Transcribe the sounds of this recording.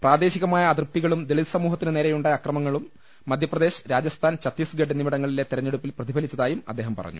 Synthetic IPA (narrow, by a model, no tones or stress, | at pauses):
praːd̪e̞ːɕiɣɐmaːjɐːd̪rp̚t̪iɣɐɭumd̪eɭilsɐmuːɦɐt̪ːinɨne̞ːɾejuɳɖajɐkrɐmɐŋːɐɭumː | ɐd̪ʱjɐprɐd̪e̞ːɕɐ̥ɾaːd͡ʑɐst̪ʰaːnt͡ɕɐt̪ːisɡɐɖɐnimiɽɐŋːɐɭilet̪iɾɐɲːeɽupːilprɐðibʱɐlit͡ɕːɐðaːjumɐ̰d̪ːeːɦɐmpɐrɐ̰ɲːṵ